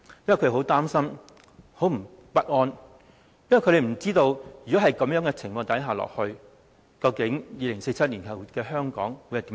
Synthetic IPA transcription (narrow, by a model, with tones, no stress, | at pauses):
jɐ˥nwɐ˨˩kʰːho˨˥wt̪aː˥msɐ˥m | ho˨˥wm̩˨˩ | pɐ˥t̚ʔɔː˧n | jɐ˥nwjkʰɵ˧ɾe˨jm̩˨˩t͡siː˥t̪o˧wyː˨˩kɔː˨˥ɦɐ˨jkɐ˨˥mjœː˨˥ŋɛː˧t͡sʰɪ˨˩ŋfɔː˧ŋt̪ɐ˨˥jɦaː˨lɔ̰ː˨˩k̚hɵ˧ɥ | kɐ˧wkɪ˨˥ŋjiː˨˧lɪ˨˩ŋse˧jt͡sʰɐ˥t̚li˨˩nkʰɐ˨wkɛː˧ɦœː˥ŋkɔ̰ː˨˥ŋwuː˨˧jhɐ˨jt̪iː˨˦˥